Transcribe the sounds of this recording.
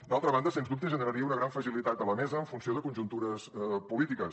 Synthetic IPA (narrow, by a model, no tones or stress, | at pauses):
d̪alˠt̪ɾəβand̪əsenzðup̚t̪əʒənəɾəɾiəunəɣɾaɱfəzilit̪at̪ələmɛzəːɱfunsioðəkunʒunt̪uɾəspulit̪ikə